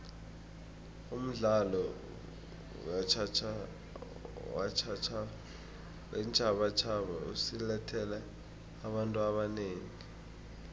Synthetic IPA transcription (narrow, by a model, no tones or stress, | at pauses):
um̩ɮalɔ | wat͡ʃʰat͡ʃʰa | wat͡ʃʰat͡ʃʰa | wʔɛnt͡ʃʰʼaɓat͡ʃʰaɓaṵsilɛtʰɛlɛ | aɓantʼuaɓaneːŋi